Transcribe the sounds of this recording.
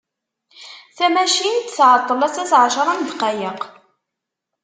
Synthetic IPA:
θæmæʃint̪θʕət̪ˤːəlæsæθʕʃɾˤɑnd̪qɑjəq

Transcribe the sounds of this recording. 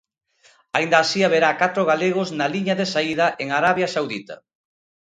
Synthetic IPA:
aind̪aːsiaβeɾakat̪ɾoɣaleɣ̞oznaliɲɐðesaiðɐʔeŋaɾaβjasawðḭt̪ɐ̰

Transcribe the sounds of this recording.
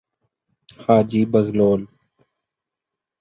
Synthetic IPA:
haːd͡ʒiːbəɣloːl

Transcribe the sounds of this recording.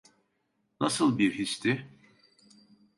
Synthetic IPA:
nasɯlˠbiɾhist̪ʰɪ

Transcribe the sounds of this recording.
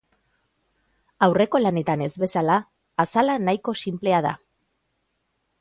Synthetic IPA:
awre̞ko̞lane̞t̪ane̞zβe̞salaː | salanajko̞simple̞að̞a̰

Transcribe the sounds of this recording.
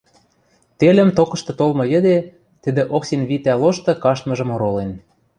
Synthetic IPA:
t̪elʲə̆mt̪okɤ̆ʃt̪ɤ̆t̪olmɤ̆jɘ̆d̪e | t̪ɘ̆d̪ĕʔoksenβit̪æloʃt̪ɤ̆kɑʃt̪mɤ̆ʒɤ̆moɾolen

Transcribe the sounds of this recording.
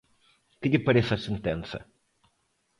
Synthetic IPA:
kɪd̪ʲɪpɐɾesɐsẽnt̪ẽnsɐ̰

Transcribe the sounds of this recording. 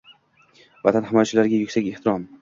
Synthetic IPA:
vat̪ʰanhɪmɒjt͡ʃʰɪlaɾɡʲajʊkʲsakʲeht̪ɪɾɒm

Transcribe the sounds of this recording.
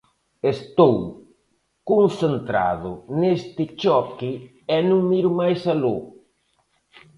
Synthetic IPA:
est̪ow | konθent̪ɾa̰ðʊnest̪ɪt͡ʃɔkɪ | ɛnũŋmiɾʊmajsalo

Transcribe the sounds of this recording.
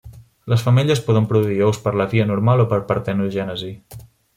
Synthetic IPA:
ləsfəmɛʎəspɔðəmpɾuðuiowspəɾləviənuɾmalˠopəɾpəɾt̪ɛnuʒɛnəzi

